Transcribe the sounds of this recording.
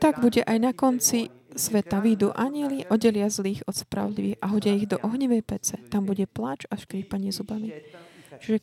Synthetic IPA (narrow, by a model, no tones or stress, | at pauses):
t̪aɡbuɟɛʔajnakɔnt͡si | sʋɛt̪aʋid̪uːʔaɲɪɛliʔɔɟɛlɪazliːɣɔt̪spɾa̰ʋɔd̪liʋiːxaɦɔɟɪaiɣd̪ɔʔɔɦɲiʋɛjpɛt͡sɛt̪ambuɟɛplat͡ʃaʃkɾiːpaɲɪɛzubamit͡ʃiʒɛ